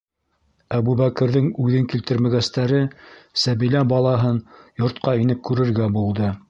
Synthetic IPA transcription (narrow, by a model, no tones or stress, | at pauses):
æbuβækɘ̆ɾðɘŋʉðɘŋkilt̪ɘ̆ɾmæɡæst̪æɾɘsæβilæbɑlˠɑɦɤnjŏɾt̪qɑinɘp̚kʉɾɘ̆ɾɡæbulˠd̪ɤ